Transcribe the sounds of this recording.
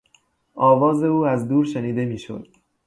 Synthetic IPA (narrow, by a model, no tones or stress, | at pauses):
ʔɒːvɒːze̞uːæzd̪uːɾʃeniːd̪e̞miːʃo̞̰d̪̥